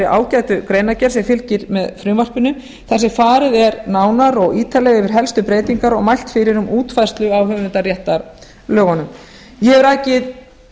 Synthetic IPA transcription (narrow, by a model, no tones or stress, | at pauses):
ɪʔa̰ːwcajt̪ʏkɾeːjnacɛɾ̥sɛmfɪlcɪɾmɛðfɾʏːmar̥pɪnʏm | θɛnsɛfaːɾɪðɛɾnaːwnaɾɔɣiːt̪ʰalɛɣɛvɪɾ̥ɦɛlst̪ʏpɾeːjt̪iŋkaɾɔɣmajl̥t̪fɪɾɪɾʏmuːt̪fajst̪lʏawhʏːɪnt̪arjɛht̪aɾ | lœːɣɔnʏm | jɛɛvɪɾajcɪð